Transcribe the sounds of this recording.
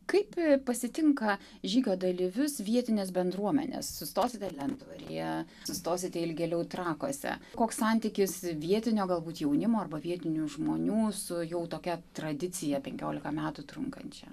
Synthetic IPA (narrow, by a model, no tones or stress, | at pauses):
kɐɪppɐsʲɪt̪ʲɪŋkɐ | ʒʲiːɡʲoːd̪ɐlʲɪʋʲʊsʋʲiɛt̪ʲɪnʲeːsbʲɛnd̪ɾuɔmʲɛ̰nʲḛssʊsʲt̪oːsʲɪt̪ʲɛlʲɛnd̪uːɾʲɪjɛ | sʊst̪oːsʲɪt̪ʲɛɪlʲɡʲɛlʲɛʊt̪ɾɑːko̰ːsʲɛ̰koːkssɐnʲt̪ʲɪkʲɪsʋʲiɛt̪ʲɪnʲoːɡɐlˠbuːt̪jɛʊnʲɪmoːɐrbɐʋʲiɛt̪ʲɪnʲuʒmoːnʲuːsʊjɛʊt̪oːkʲɛt̪ɾɐd̪ʲɪt͡s̪ʲɪjɛpʲɛŋʲkʲoːlʲɪkɐmʲæːt̪ʊt̪ɾʊŋkɐ̰nʲt͡ʃʲɛ̰